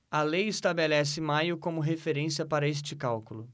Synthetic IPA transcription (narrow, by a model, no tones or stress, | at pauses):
ɐlejɪst̪abelɛsɪmajʊkõmʊɦefeɾẽsiɐpaɾɐes̬t͡ʃɪkawkʊlʊ